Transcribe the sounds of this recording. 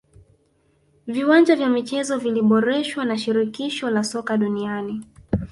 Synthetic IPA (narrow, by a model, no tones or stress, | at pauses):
viwand͡ʒavjamit͡ʃɛzɔviliɓɔɾɛʃwanaʃiɾikiʃɔlasɔkaɗuniani